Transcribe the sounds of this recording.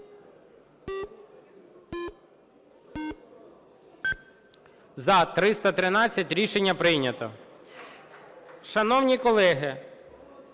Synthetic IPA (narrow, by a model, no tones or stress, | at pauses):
zɐt̪ɾɪst̪ɐt̪ɾɪnɑt͡sʲːɐtʲɾʲiʃenʲːɐpɾɪjnʲɐt̪ɔ̰ | ʃɐnɔwnʲikɔlˠɛɦɪ